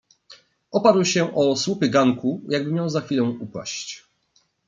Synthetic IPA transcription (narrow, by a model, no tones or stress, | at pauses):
ʔɔpaɾwɕɛʔɔswupɘɡaŋkujaɡ̚bɘmʲjawzaxʲfʲilɔ̃w̃upa̰ɕt͡ɕ